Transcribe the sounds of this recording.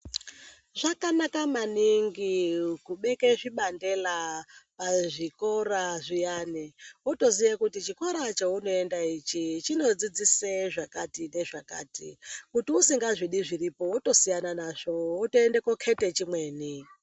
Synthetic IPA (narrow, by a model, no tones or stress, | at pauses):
ʐakanakamaniŋɡikuɓekeʐiɓande̞lapaʐiko̞ɾaʐijaniwoto̞zijekutit͡ʃiko̞ɾat͡ʃauno̞e̞ndait͡ʃit͡ʃino̞d͡zid͡ziseʐakatine̞ʐaka̰ːtḭkutiusiŋɡaʐiɗiʐiripo̞woto̞sijananaʐo̞wotoende̞kokʰe̞te̞t͡ʃimwe̞ːni